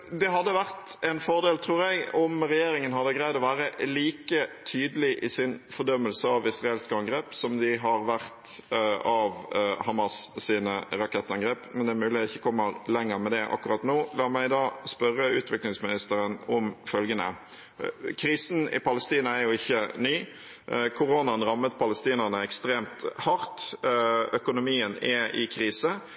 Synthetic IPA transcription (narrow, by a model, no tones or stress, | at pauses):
d̪ɛɦɑd̪ːəʋæʁt̪ɛnfɔʁd̪eːlt̪ʰɾuːɾɛɡɔmɾɛjeːɾɪŋənɦɑd̪ːəɡɾæɪd̪ɔʋæːɾəliːkət̪ʰyːd̪əlɪʔɪsɪnfɔd̪œmːəlsəɑʋɪsʁɑeːlskəɑŋɡɾeːpsɔmd̪ɪɦɑɾʋæʁt̪ | ɑʋhɑmɑssiːnəɾɑkʰɛt̪ːɑŋɡɾeːpmɛnd̪ɛæɾmʉːlɪɪçːəkʰɔmːəɾlɛŋːəɾmɛd̪ɛʔɑ̰kːʊɾɑt̪noːlɑːɾmæɪd̪ɑːspœɾːəʉːt̪ʋɪklɪŋsmɪnɪst̪əɾənɔmfœlɡənə̰ | kʰɾiːsn̩ɪ̰pɑləst̪iːnəæɾjʊɪçːənyː | kʰʊɾoːnɑnɾɑmːət̪̚pʰɑləst̪iːnəʁnəɛkst̪ɾeːmt̪hɑɾt̪ | œkʊnʊmiːənɛɪ̰kʰɾiːsə